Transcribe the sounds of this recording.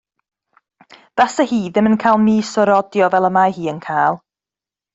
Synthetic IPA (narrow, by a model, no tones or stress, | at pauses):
ð̥asəhiːðɪmənkʰajlˠmiːsɔɾɔdjɔvɛlˠəmahiːənkʰaːlˠ